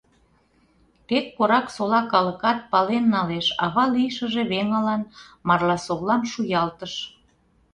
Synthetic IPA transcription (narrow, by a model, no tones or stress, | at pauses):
t̪et̪̚koɾɑksolɑkɑləkɑt̪̚pɑlenːɑleʃɑβɑlijʃəʒeβeŋəlɑnmɑrlɑsoβlɑmʃujɑlt̪əʃ